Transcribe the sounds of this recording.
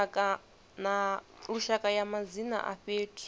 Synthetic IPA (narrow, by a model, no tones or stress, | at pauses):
akʼa | naɺuʃakʼajamazina̰ʔa̰ɸeːtʰʼi̥